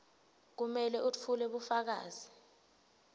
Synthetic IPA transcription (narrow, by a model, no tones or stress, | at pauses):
k̬umɛlɛʔut͡fʰulɛɓufak̬a̰ːzi